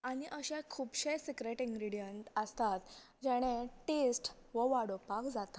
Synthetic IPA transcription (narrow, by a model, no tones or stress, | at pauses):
aɽ̃iʔəɕẽkʰuːbɕejsikɾeʈĩŋɡɾiɽijəɳʈəst̪at̪ | d͡ʑɛɽ̃ẽʈesʈʋəʋaɽopakd͡zat̪ḁ